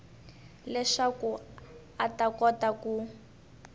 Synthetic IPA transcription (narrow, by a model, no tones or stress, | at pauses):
lɛʂaku | atakɔtaku